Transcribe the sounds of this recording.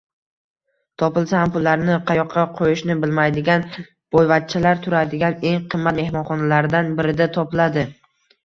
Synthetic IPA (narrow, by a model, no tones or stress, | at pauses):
t̪ʰɒpɪlˠsaampʊlːaɾnɪqʰɑjɒqʰːɑqʰojɪʃnɪbɪlmajd̪ɪɡʲan | b̥ojvat̪̚t͡ʃʰalaɾt̪ʰʊɾad̪ɪɡʲane̞ŋqʰɨmːat̪me̞hmɒnχɒnalaɾɪd̪anbɪɾɪd̪at̪ʰɒpɪlad̪ɪ